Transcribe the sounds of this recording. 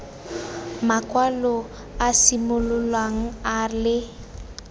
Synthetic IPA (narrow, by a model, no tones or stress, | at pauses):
makʼwalɔ | asimʊlʊlwaŋ̩alɪ